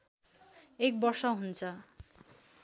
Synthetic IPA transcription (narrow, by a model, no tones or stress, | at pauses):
ek̚bʌrsʌɦunt͡sʰʌ